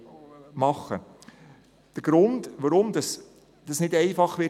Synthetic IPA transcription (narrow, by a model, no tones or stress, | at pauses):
mɑχːə | d̪̥əɡ̥ɾʊndʋaɾʊmd̪ɑs | d̥ɑsnɪdɛɪfɑχʋɪ